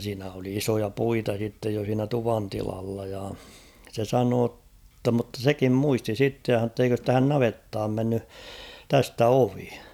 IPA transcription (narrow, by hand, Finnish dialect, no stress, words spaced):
siːnæ oli isojɑ puitɑ sitːej jo siːnæ tuʋɑntilɑlːɑ jɑ se sɑnoː tːɑ mŭtːɑ sekim muisti sitːe jɑ h̞ɑn̞oː tː eikøs tæhæn nɑʋetːɑːm menːy tæstæ oʋi